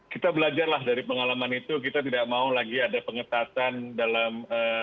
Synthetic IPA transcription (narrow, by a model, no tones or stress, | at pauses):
kit̪abəlad͡ʒarlahdaɾipəŋalamanit̪uk̬it̪at̪idak̚maulaɡiadapəŋət̪at̪andalamə